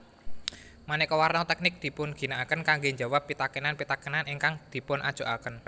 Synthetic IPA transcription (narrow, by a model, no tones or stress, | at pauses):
manɛkɔwarnɔt̪ɛk̚nɪk̚d̪̥i̤pʊnɡ̥i̤naakənkaŋɡeɲd͡ʒa̤wapːit̪akənanpit̪akənaniŋkaŋd̪̥i̤pʊnʔa̰d̥ʒ̥o̤ʔa̰kən